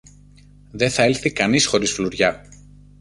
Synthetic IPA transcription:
ðe̞θɐelθikɐnisxo̞ɾisfluɾʝɐ

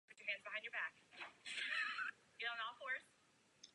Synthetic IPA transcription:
pʊt͡ʃə˞ɦæ̃ndzbəhãɪ̃nd͡ʒə˞bæk | jɨdõʊ̃noʊkɔɹs

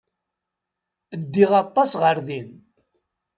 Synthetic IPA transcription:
əd̪ːiʁɑt̪ˤːɑsʁəɾðin

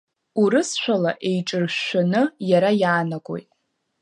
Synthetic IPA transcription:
uɾɨsʃʷᶣalaʔejʈ͡ʂʼɨrʃʷᶣanɨjaɾajaːnakʷʼo̞̰jtʼ

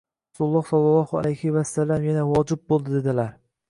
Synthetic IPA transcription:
asuʊlˠːɒhsɒlˠːɑlˠɒhʊa̰lajhɪvast̪ːalːamjanavɒd͡ʒɪb̚bolˠd̪ɪd̪e̞d̪ɪlaɾ

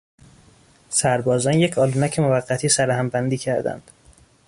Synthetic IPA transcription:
sæɾbɒːzɒːnje̞cʰɒːlunæcʰemovæɢːæt̪ʰiːsæɾæhæmbænd̪iːcʰæɾd̪æ̰nd̪̥

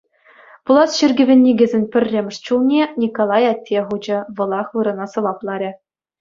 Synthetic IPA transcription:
pulˠɑsɕɘrʲɡʲɘ̆ʋʲĕnʲːiɡʲɘ̆zʲenʲpʲɘ̆rʲːemʲɘ̆ʂt͡ɕulˠnʲenʲikolˠɑjɑtʲːeʁud͡ʑɘ̆ʋɤ̆lˠɑχʋɯɾɤ̆nɑsɤ̆ʋɑplˠɑɾʲɘ̆

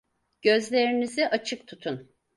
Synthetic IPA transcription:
ɟ̥ø̞zlʲeɾiniziʔat͡ʃʰɯk̚t̪ʰut̪ʰun

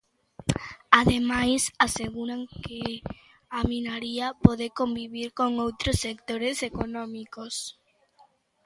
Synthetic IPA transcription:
aðemajsaseɣuɾaŋke | aminaɾiapoðekombiβiɾkoŋowt̪ɾosːek̚t̪oɾesekonõmikos

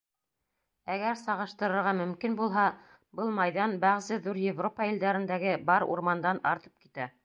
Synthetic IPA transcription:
æɡæɾsɑʁɤ̆ʃt̪ɤ̆ɾɤ̆ɾʁɑmɵ̆mkinbulˠɦɑ | bɤlˠmɑjðɑnbæʁzɘðuɾjevropɑild̪æɾɘ̆nd̪æɡɘbɑɾṵɾmɑnd̪ɑnɑɾt̪ɤ̥p̚kit̪æ

